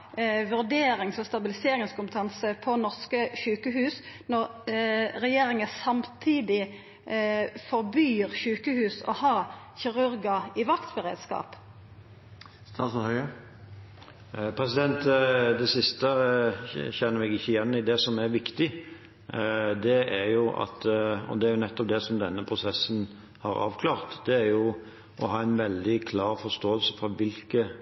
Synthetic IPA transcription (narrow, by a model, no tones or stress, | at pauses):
ʋʉʁd̪eːɾɪŋsɔst̪ɑbɪlɪseːɾɪŋskʰʊmpət̪ʰɑnsəpʰɔnɔʁskəçʉːkəhʉːsnɔʁ | ɾɛjeːɾɪŋəsɑmt̪ʰiːd̪ɪ | fɔʁbyːʁçʉːkəhʉːsɔ̰hɑːçɪʁʉɾɡɑɪʋɑkt̪bəʁḛːd̪skɑ̰ːp | st̪ʰɑshœə | pʰɾɛsɪd̪ɛnt̪d̪ɛsɪst̪ə | çɛnːəɾɛɡɪçːəɪjɛnːɪd̪ɛsɔmæɾʋɪkt̪ɪ | d̪ɛæɾjʊʔɑ̰t̪ɔ̰d̪ɛæɾjʊnɛt̪ːɔp̚d̪ɛsɔmd̪ɛnːəpʰɾʊsɛsːn | hɑɾɑ̰ːʋkʰlɑːʁt̪d̪ɛæɾjʊ | ɔɦɑːæɪnʋɛld̪ɪkʰlɑːɾfɔst̪oːəlsə̥fɾɑʋɪlkə